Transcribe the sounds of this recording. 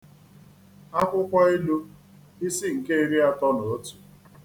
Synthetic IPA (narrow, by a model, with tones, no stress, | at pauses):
a˦kʷʊ˦kʷa˦i˦lu˦ | ɪ˦si˦ŋ̩˨ke˦i˦ɾi˦a˦tɔ˦no˨o˦tu̥˨